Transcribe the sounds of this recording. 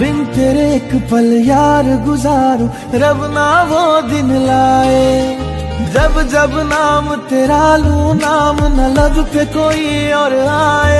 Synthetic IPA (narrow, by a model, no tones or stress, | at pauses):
bɪnt̪eːɾekpɐljaːɾɡʊzaːɾo | ɾɐʋnaːʋoːd̪ɪnlaːe | d͡ʒɐbd͡ʒɐbnaːmt̪eːɾalunaːmnɐlɐbpekoːiɔːɾaːeː